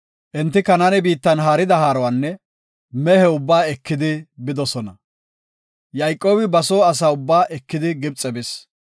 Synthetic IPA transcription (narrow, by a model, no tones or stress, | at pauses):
ʔɛnt̪ːɪkɐnanɛbiːt̪ːɐnɦaːɾɪd̪ɐhaːɾɔwanːɛ | mɛhɛʊbːaːɛkːɪd̪ɪbɪd̪ɔsɔnɐ | jɐjkʼːo̞ːbɪbɐsoːɐs̬aːʊbːaːʔɛkːɪd̪ɪɡɪb̚t͡sʼɛbɪs